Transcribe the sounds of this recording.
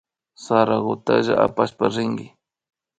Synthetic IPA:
saɾaɣʊt̪a̰ʒaʔapaʃpaɾɪŋɡɪ

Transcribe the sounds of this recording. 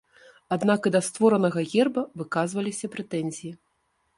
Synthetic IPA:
ad̪nakɨd̪ɐst̪vɔɾɐnɐɣɐɣʲɛrbɐvɨkazvɐlʲisʲɐpɾɛt̪ɛnʲzʲiji

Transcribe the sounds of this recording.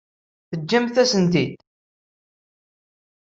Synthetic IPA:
θəd͡ʒːæmθæsənd̪id̪

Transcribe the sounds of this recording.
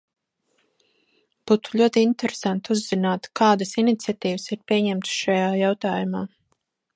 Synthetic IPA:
b̥ut̪u̥ʎʲuɔt̪iint̪ɛɾesant̪uzːinaːt̪kaːd̪asinit̪sʲiat̪iːvəsiɾpʲiɛɲɛmt̪sʃajaːjawt̪aːjumaː

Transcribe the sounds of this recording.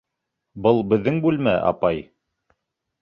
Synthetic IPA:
bɤlˠbɘ̆ðːɘŋbʉlmæ̰ʔɑ̰pɑj

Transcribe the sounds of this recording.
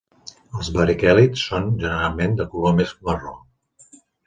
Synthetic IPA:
əlˠzbəɾikɛlitsːonʒənəɾalˠmend̪əkulomezməro

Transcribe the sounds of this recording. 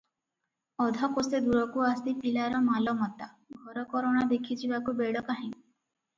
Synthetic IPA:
ɔd̪ʱakosed̪uɾɔkuasipilaɾɔmalɔmɔt̪a | ɡʱɔɾɔkɔɾɔɽ̃ad̪ekʰid͡ʒʰibakubeɽɔkaɦĩŋ

